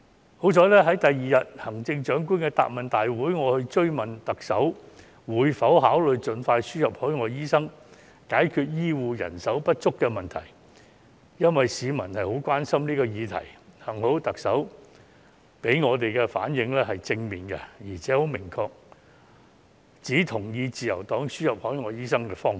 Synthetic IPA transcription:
ho˨˥wt͡ʃʰɔː˨˧lɛː˥ɦɐ˨˥jt̪ɐ˨jːiː˨jɐ˨t̚hɐ˨˩ŋt͡sɪ˧ŋt͡ʃœː˨˥ŋk̬uː˥nkɛː˧t̪a̰ː˨p̚mɐ˨nt̪aː˨jwu˨˥jŋɔː˨˧hɵ˧ɥt͡ʃɵ˥ɥmɐ˨˩nt̪ɐ˨k̚sɐ˨˥w | wuː˨˧jfɐ˨˥wɦaː˨˥wlɵ˨ɥt͡ʃɵ˨˧nfaː˧jsyː˥hɐ˨p̚hɔː˨˥jŋɔː˨˧jjiː˥sɐ˥ŋ | kaː˨˥jkʰyː˧t̚jiː˥wuː˨˧jɐ̰˨˩nsɐ˨˥wpɐ˥t̚t͡ʃʊ˥kːɛː˧mɐ˨nt̪ʰɐ̰˨˩j | jɐ˥nwɐ˨jsiː˨˧mɐ˨˩nhɐ˨jho˨˥wkʷaː˥nsɐ˥mniː˥kɔː˧jiː˨˧t̪ʰɐ̰˨˩jhɐ˨˩ŋho˨˥wt̪ɐ˨k̚sɐ˨˥w | pe˨˥jŋɔː˨˧t̪e˨jkɛ˧fa̰ː˨˥njɪ˨˧ŋlɛː˥hɐ˨jt͡sɪ˧ŋmiː˨nkɛ̰˧jiː˨˩t͡sʰɛː˨˥ho˨˥wmɪ˨˩ŋkʰɔː˧k̚ | t͡siː˨˥t̪ʰʊ˨˩ŋjiː˧t͡siː˨jɐ̰˨˩wt̪ɔː˨˥ŋsyː˥jɐ˨p̚hɔː˨˥jŋɔː˨˧jiː˥sɐ˥ŋkɛː˧fɔː˥ŋ˨

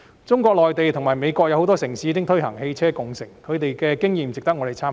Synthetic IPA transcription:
t͡sʊ˥ŋkʷɔː˧k̚lɔː˨jt̪e˨jt̪ʰʊ˨˩ŋmaː˨˩jme˨˧jkʷɔː˧k̚jɐ˧whwt̪ɔː˥sɪ˨˩ŋsiː˨˧˥iː˧kɪ˥ŋt̪ʰɵ˥ɦɐ˨˩ŋhe˧jt͡sʰɛː˥kʊ˨ŋsɪ˨˩ŋkʰɵ˨˧ɥt̪e˨jkɛː˧kɪ˥ŋjiː˨mt͡sɪ˨k̚t̪ɐ˥kŋɔː˨˧t̪e˨˩jt͡sʰaː˥m

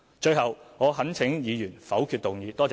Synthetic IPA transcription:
t͡ʃɵ˧ɥɦɐ˨wŋɔː˨˧ɦɐ˨˥nt͡sʰɪ˨˥ŋjiː˨˧jyː˨˩nfɐ˨˥wkʰyː˧t̚t̪ʊ˨ŋjiː˨˧t̪ɔː˥t͡s

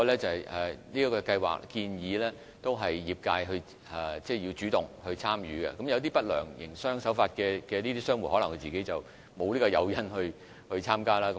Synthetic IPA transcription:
ɔ˧lɛː˥t͡sɐ˨hjʔɛ˨niː˥kɔː˧kɐ˧jwa̰ː˨˩k̚kiː˧njiː˨˥lɛː˥ | t̪o˥wɦɐ˨˩jːiː˨˩p̚kaː˧jɦɵ˧ɥ | ɛ˨˩t͡sɛː˥˩jiː˧wt͡ʃyː˨˥t̪ʊ˨ŋhɵ˧ɥt͡sʰaː˥mjyː˨˥ɡɛ̰˧kɐ˨˥mjɐ˧wt̪iː˥pɐ˥t̚lœː˨˩ŋjɪ̰˨˩ŋsœː˥ŋsɐ˨˥wfaː˧t̚kɛː˧kɛː˧niː˥t̪iː˥sœː˥ŋwu˨˩hɔ˨˥lɐ˨˩ŋkʰɵ˧t͡siː˨ke˨˥jt͡sɐ˨w | mo˨˧wliː˥kɔ˧jɐ˨˧wjɐ˥nhɵ˧ɥ | hɵ˧t͡sʰaː˥mkaː˥laː˥k

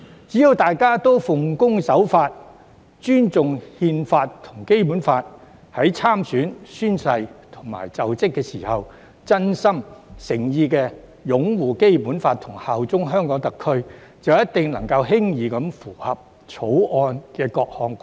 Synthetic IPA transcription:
t͡si˨˥ji˨˧wt̪aː˨jkaː˥t̪o˥wfʊ˨ŋkʊ˥ŋsɐ˨˥wfaː˧t̚ | t͡ʃyː˥nt͡sʊ˨ŋhiː˧nfaː˧tt̪ʰʊ̥˨˩ŋke˥jpu˨˥nfaː˧t̚ | hɐ˨˥jt͡sʰaː˥msyː˨˥nsyː˥nsɐ˧jt̪ʰʊ̥˨˩ŋma̰ː˨˩jt͡sɐ˨wt͡sɪ˥kːɛː˧siː˨˩hɐ˨w | t͡sɐ˥nsɐ˥msɪ˨˩ŋjiː˧kɛː˧ | jʊ˨˥ŋwuː˨ke˥jpuː˨˥nfaː˧t̚t̪ʰʊ˨˩ŋhaː˨wt͡sʊ˥ŋɦœː˥ŋkɔː˨˥ŋt̪ɐ˨kʰːɵ˥ɥt͡sɐ˨wjɐ˥t̪ɪ˨ŋlɐ˨˩ŋkɐ˧whɪ˥ŋjiː˨˧kɐ˨˧˥mfuː˨˩hɐ˨p̚ | t͡ʃʰo˨˥wʔɔː˧nkɛː˧kɔː˧k̚hɔː˨˧ŋ

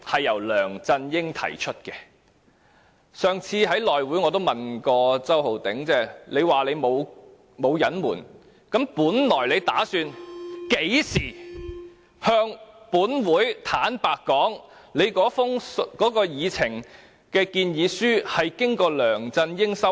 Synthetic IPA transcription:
hɐ˨jːɐ˨˩wlœː˨˩ŋt͡sɐ˧njɪ˥ŋt̪ʰɐ̰˨˩jt͡ʃʰɵ˥t̚kɛː˧ | sœː˨ŋt͡sʰiː˧ɦɐ˨˥jlɔː˨jwuː˨˥jŋɔː˨˧t̪̬o˥wmɐ˨nkɔː˧t͡sɐ˥who˨wt̪ɪ˨˥ŋt͡sɛː˥˩le˨˧jwaː˨˩le˨˧jmo˨˧w | mo˨˧wjɐ˨˥nmuː˨˩n | kɐ˨˥mpuː˨˥nlɔː˨˩jle˨˧jt̪aː˨˥syː˧nke˨˥jsiː˨˩ | hœː˧ŋpuː˨˥nwuː˨˥jt̪ʰaː˨˥npaː˨kːɔː˨˥ŋle˨˧jkɔː˨˥fʊ˥ŋkɔː˨˥kɔː˧jiː˨˧t͡sʰɪ˨˩ŋ | kɛː˧kiː˧njiː˨˧syː˥hɐ˨jkɪ˥ŋkɔː˧lœː˨˩ŋt͡sɐ˧njɪ˥ŋsɐ˥

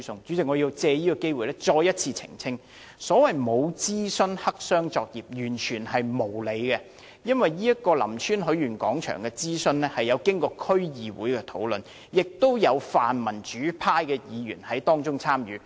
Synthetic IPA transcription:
sʊ˨ŋt͡ʃy˨˥t͡sɪ˨k̚ŋɔː˨˧ji˧wt͡sɛː˧jiː˥kɔ˧ke˥jwu˨jlɛ˥t͡ʃɔː˧jɐ˥t̚t͡sʰiː˧t͡sʰɪ̰˨˩ŋt͡sʰɪ˥ŋ | sɔː˨˥wɐ˨jmo˨˧wt͡siː˥sɵ˥nhɐ˥k̚sœː˥ŋt͡sɔː˧k̚jiː˨p̚jyː˨˩nt͡ʃʰyː˨˩nhɐ˨jmo˨˩wle˨˧jkɛ˧ | jɐ˥nwɐ˨˩jːiː˥jɐ˥t̚kɔː˧lɐ̰˨˩mt͡ʃʰyː˥nɦɵ˨˥ɥyː˨˩nkɔ̰ː˨˥ŋt͡ʃʰœ̰ː˨˩ŋkɛ˧t͡siː˥sɵ˧nlɛː˥hɐ˨jɐ˨˧wkɪ˥ŋkɔː˧kʰɵ˥ɥjiː˨˧wṵː˨˥jkɛ˧t̪ʰo̰˨˥wlɵ˨n | jɪ˨k̚t̪o˥wjɐ˨˧wfaː˨nmɐ˨˩nt͡ʃyː˨˥pʰaː˥jkɛː˧jiː˨˧jyː˨˩nhɐ˨˥jt̪ɔː˥ŋt͡sʊ˥ŋt͡sʰaː˥mjyː˨˥

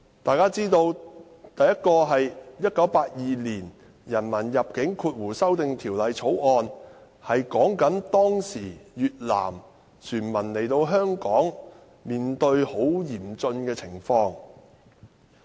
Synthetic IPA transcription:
t̪aː˨jkaː˥t͡siː˥t̪o˧w | t̪ɐ˨jɐ˥t̚kɔː˧ɦɐ˨jjɐ˥t̚kɐ˨˥wpaː˧t̚jiː˨liː˨˩n | jɐ˨˩nmɐ˨˩njɐ˨p̚kɪ˨˥ŋkʰuː˧t̚wuː˨˩sɐ˥wt̪ɪ˨ŋt̪ʰiː˨˩wlɐ˨˧jt͡sʰo˨˥wʔɔː˧n | hɐ˨jkɔː˨˥ŋkɐ˨˥nt̪ɔː˥ŋsiː˨˩jyː˨t̚la̰ː˨˩m | syː˨˩nmɐ˨˩nle˨˩jt̪o˧wɦœː˥ŋkɔː˨˥ŋ | miː˨nt̪ɵ˧ɥho˨˥wjiː˨˩mt͡sɵ˧nkɛː˧t͡sʰɪ˨˩ŋfɔː˧ŋ

